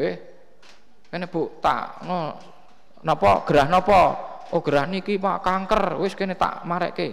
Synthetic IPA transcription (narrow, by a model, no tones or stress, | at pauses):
ɪh | keneb̥oʔt̪a̰ʔŋo | nɔpɔɡ̥əɾahnɔpɔʔoɡ̥əɾahnikipakaŋkərwɪskenet̪a̰ʔmaɾɛ̰ʔke